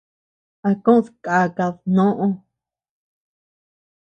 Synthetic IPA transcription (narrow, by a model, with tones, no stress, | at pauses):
a˧kõ˦ðka˨ka˧ðnõ˦ʔõ˦